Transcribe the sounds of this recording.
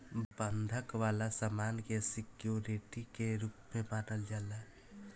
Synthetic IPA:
bənd̪ʱəkʋalasamankesikjoɾiʈikeɾupmebanəld͡ʒala

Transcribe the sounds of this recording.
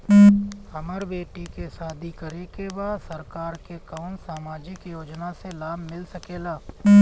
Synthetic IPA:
hɐməɾbeːʈikesaːd̪ʱikəɾekebaːd̪sɐɾkaːɾkekaːnsaːmaːd͡ʒɪkjoːd͡ʒnaselaːbmɪlsɐkeːlaː

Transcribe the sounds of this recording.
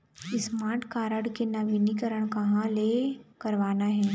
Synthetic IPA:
ɪsmaʈkaɾəɽkenaʋinikəɾəɳkɐɦãlekəɾʋaːnaɦẽ

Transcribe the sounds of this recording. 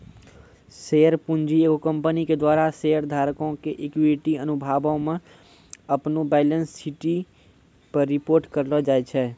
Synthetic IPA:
seːəɾpũnd͡ʒieːɡokə̃mpəniked̪waːɾaseːəɾd̪ʱaːɾkõkeʔekwiʈiənubʱaːbõmẽ | əpnobɛːɪlənsːiʈi | pəɾːɪpoːɾʈkəɾlɔd͡ʒaːɛt͡ʃʰɛ

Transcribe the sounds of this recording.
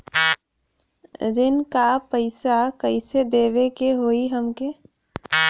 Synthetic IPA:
ɾɪnkapəɪsakəɪsed̪eːʋekeɦoːiɦəmke

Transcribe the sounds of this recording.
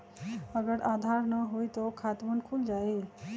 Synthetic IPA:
ɐɡəɾaːd̪ʱaːɾnɐɦoːit̪okʰaːt̪mənkʰʊld͡ʒaːe

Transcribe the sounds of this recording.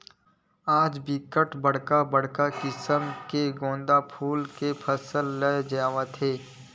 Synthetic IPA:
aːd͡ʒbɪkəʈbəɽ̤kabəɽ̤kakɪsəmkeɡõːnd̪apʰuːlkepʰəsəlːəd͡ʒaːʋat̪ʰeː

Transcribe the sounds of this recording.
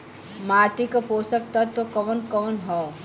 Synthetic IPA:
maːɾʈ̪ikopoːsək̚t̪ɐt̪ːokɐʋənkɔʋənɦɔ

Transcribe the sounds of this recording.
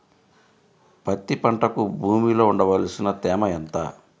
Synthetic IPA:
pɐt̪ːipɐɳʈɐkubʱuːmilo̞ːuɳɖɐʋɐlsinɐt̪ɛːmɐɛnt̪aː

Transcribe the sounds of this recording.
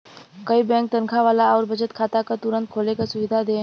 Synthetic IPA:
kɐibɛ̃ːŋk̚t̪ənkʰaʋaːlaɔːɾbʱɐd͡ʒət̪̚kʰaːt̪akat̪ʊɾə̃nt̪̚kʰoːlekasʊʋɪd̪ʱad̪eː

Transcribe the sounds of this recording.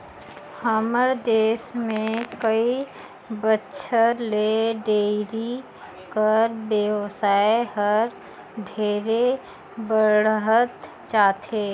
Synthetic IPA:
həməɾd̪eːsmẽkəi | bətːʃʰəleɖeːɾi | kəɾbjeʋsaːeɦəɾ | ɖʱeːɾe | bəɽɦət̪ | t͡ʃaːt̪ʰeː

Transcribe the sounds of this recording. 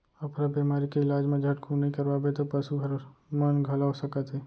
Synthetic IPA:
əpʰɾabemaːɾikeɪlaːd͡ʒmãd͡ʒʱəʈkʰũnəɦĩkəɾʋabet̪opəʃuɡʱəɾmənɡʱəlaosəkət̪ɦe

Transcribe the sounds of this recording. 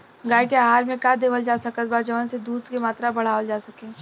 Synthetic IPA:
ɡaːikeaɦaːɾmẽkad̪eːʋəld͡ʒaːsɐkət̪̚baːd͡ʒəʋənsed̪uːd̪skemaːt̪ɾabɐɽ̤aːʋəld͡ʒaːsɐkẽː

